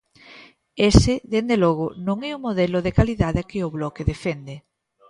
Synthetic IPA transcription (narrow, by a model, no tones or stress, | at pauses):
esɪðend̪elɔɣʊnõŋɛʊmoðɛloðekaliðaðɪkɪʊβlɔkeðefend̪e